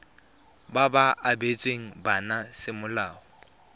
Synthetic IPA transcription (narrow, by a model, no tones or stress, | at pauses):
babaʔabet͡sʼweŋ̩banasɪmʊlaːɔ